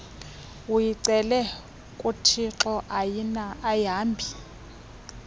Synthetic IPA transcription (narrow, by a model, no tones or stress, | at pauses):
ujiǀɛlɛ | kʼutʰiǁɔʔajinaʔajaːmbʱi